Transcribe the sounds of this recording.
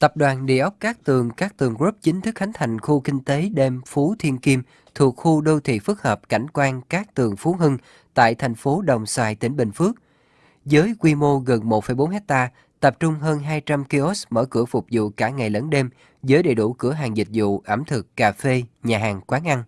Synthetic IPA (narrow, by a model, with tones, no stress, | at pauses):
t̪ə˨˩p̚ɗwaː˨˩nɗḭ˧˨əʔə˦˥wk͡p̚kaː˦˥k̚t̪ɨ˨˩əŋkaː˦˥k̚t̪ɨ˨˩əŋɣɹu˦˥p̚t͡ɕï˨˦ŋ̟t̪ʰɨ˦˥k̚xa˨˦ŋ̟t̪ʰa˨˩jŋ̟xu˧kï˧ŋ̟t̪e˨˦ɗe˧mfu˨˦t̪ʰi˧ənki˧m | t̪ʰu˨˩ək̚xu˧ɗo˧t̪ʰḭ˧˨fɨ˦˥k̚həː˨˩p̚ka˧˩jŋ̟kwaː˧nkaː˦˥k̚t̪ɨ˨˩əŋfu˨˦ɦɨ˧ŋ | t̪a̰ː˧˨jt̪ʰa˨˩jŋ̟fo˨˦ɗə˨˩wŋ͡msaː˧˩jt̪ï˧˩ŋ̟ɓḭ˧˩ŋ̟fɨ˦˥ək̚ | zəː˨˦jkwi˧mo˧ɣə˨˩nmo˨˩t̚fə˧˩jɓo˨˦nhɛ˦˥k̚t̪aː˧ | t̪ə˨˩p̚t͡ɕʊ˧ŋ͡mɦəː˧nɦaː˧jt͡ɕa˧mki˧ʔo˦˥smə̰ː˧˩kɨ̰˧˩əfʊ˨˩k͡p̚zṵ˧˨kaː˧˩ŋa˨˩jlə˨˦nɗe˧m | zəː˨˦jɗḛ˧˨ɗṵ˧˩kɨ˧˩əɦaː˨˩ŋzï˨˩t̟̚zṵ˧˨ʔə˧˩mt̪ʰɨ˨˩kːaː˨˩fe˧ɲaː˨˩ɦaː˨˩ŋkwaː˨˦nʔa˧n